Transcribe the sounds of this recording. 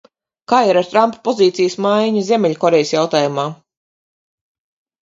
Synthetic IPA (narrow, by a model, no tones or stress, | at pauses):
kaːiɾaɾt̪ɾampḁpɔziːt̪sijəsmajɲuzʲemʲɛʎʲkɔɾejsjawt̪aːjumaː